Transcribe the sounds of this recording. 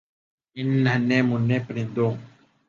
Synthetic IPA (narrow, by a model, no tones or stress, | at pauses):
inanɛ̃mũnɛ̃pɾĩdo